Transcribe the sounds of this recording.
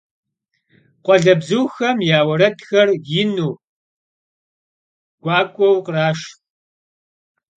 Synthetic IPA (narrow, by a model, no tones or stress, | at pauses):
qʷɔɮɐbzɨwxɐmjaːwɐɾɐtʰxɐrjɪnuː | ɡ̥ʷɑːkʷʼɔwqraːʂ